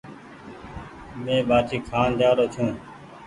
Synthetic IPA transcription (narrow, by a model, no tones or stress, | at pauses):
mẽːɓaːt͡ʃʰiːkʰaːnd̪aːɾoːt͡ʃʰũː